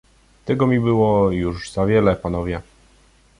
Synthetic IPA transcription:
t̪ɛɡɔmʲibɘwɔjuʐz̥avʲjɛlɛpanɔvʲjɛ

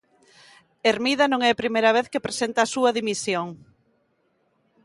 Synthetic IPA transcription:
eɾmiðɐnõŋɛpɾimejɾɐβ̞eθkepɾesent̪aːsuɐðimisjoŋ

